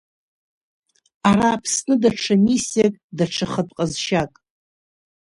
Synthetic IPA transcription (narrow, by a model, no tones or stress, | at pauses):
aɾaːpʰsnɨdaʈ͡ʂʰamisjakʼdaʈ͡ʂʰɨχətʼqʼəzʃakʼ